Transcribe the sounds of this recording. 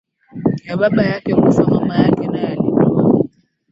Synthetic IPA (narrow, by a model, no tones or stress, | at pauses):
jababajakɛmusamamajakɛnajalimuwa